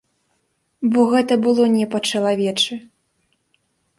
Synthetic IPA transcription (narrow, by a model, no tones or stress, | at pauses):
bɔɣɛt̪ɐbɨlˠɔnʲɛpɐt͡ʂɐlˠavʲɛt͡ʂɨ